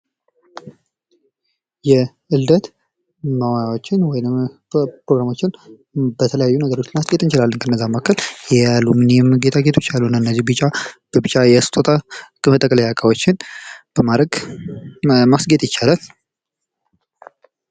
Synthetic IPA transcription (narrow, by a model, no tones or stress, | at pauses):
jɛ | ʔɨld̪ət̪ | məwajawot͡ʃːɪnwɔjɪnm | pɾoɡɾamo̞t͡ʃːɪn | bət̪ʰələjajːunəɡəɾo̞t͡ʃːɪnmasɡet̪ɨnt͡ʃɪlalːənkʰənːəzːamakʰːəljɛalːumɨnjɛmɡet̪ʰaɡe̞t̪ʰot͡ʃːjaluɨnːəɨnːəzːihbɨt͡ʃʼːab̥əbɨt͡ʃʼːajɛst̪ʰʼot̪ʼakʼɨmət̪ʼəkʼləjakʼawo̞t͡ʃːɪnb̥əmaɾəɡ | masɡet̪ʼjɪt͡ʃːalal